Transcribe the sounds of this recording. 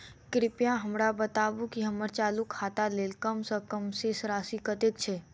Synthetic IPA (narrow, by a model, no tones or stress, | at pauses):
kɾɪpjãɦəmɾabət̪aːbukiɦəməɾt͡ʃaːlukʰaːt̪aleːlkəmsəkəmsesɾaːsikət̪et̪̚t͡ʃʰeː